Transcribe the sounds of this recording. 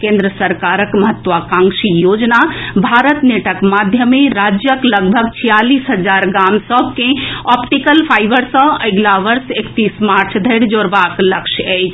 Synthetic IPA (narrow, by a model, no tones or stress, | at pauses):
kẽnd̪ɾəsəɾkaɾəkməɦət̪ʋakãŋkʃijod͡ʒnabʱaɾət̪neʈəkmad̪ʱjəmẽɾad͡ʒjəkləɡ̚bʱəɡ̚t͡ʃʰijaliːsɦəd͡ʒaɾɡamsəbʱkẽɔpʈikəlpʰaːibəɾsə̃əɪɡlaʋəɾsekt̪ismaɾt͡ʃʰd̪ʱəɪɽd͡ʒoɾbakləkʃɛjt͡ʃʰ